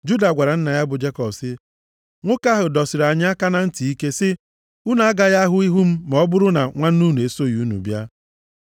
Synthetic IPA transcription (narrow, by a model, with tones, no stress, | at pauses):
d͡ʒu˦da˨ɡʷa˨ɾa˨n̩˦na˨ja˦bʊ˨d͡ʒe˦kɔ˨bsɪ˦ | ŋʷʊ˦ka˦ɦʊ˨dɔ˨sɪ˨ɾa˨ɲ˦a˦ka˦na˦n̩˦ti˨i˦ke˦sɪ˦ | u˦na˨a˦ɡa˦ja˦ɦʊ˦i˦ɦu˦m̩˦mɔ˦bʊ˦ɾʊ˦na˨ŋʷa˦n̩˦u˦nu˨e˨so˦˨ju˨˦nṵ˨bja˦